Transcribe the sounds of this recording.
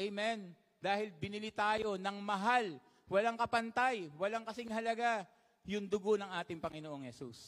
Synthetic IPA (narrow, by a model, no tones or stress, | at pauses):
ʔɛjmɛn | d̪aːhɪlbɪnɪlit̪aːjo̞nɐŋmɐɦal | wɐlaŋkɐpɐnt̪ajwɐlaŋkɐsɪŋhɐlɐɡa | jʊŋd̪ʊɡo̞nɐŋʔaːt̪ɪŋpɐŋɪnoʔoŋhɛsṵs